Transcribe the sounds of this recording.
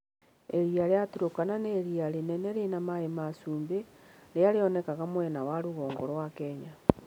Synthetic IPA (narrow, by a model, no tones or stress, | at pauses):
eɾiaɾeatuɾokananeɾiaɾenɛnɛɾenamaemasuːmbeɾeaɾeɔnɛkaɣamwɛnawaɾuɣɔːŋɡoɾwakɛɲa